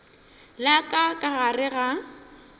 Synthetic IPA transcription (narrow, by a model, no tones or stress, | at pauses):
lakʼakʼaɣarɪɣa